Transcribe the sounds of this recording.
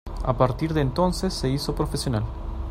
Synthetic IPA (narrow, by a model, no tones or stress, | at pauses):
a̰paɾt̪iɾðeːnt̪o̞nsesːe̞iso̞pɾo̞fesjo̞nal